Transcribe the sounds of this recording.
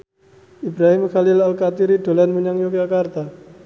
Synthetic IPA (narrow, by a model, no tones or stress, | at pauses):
ibɾaɦɪmxalɪlalkat̪iɾiɖo̤lanməɲaŋjok̚d͡ʒakart̪a